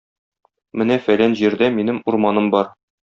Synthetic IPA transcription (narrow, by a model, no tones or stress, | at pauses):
mɘnæfælænʑiɾd̪æminɘmuɾmɑnɤmbɒɾ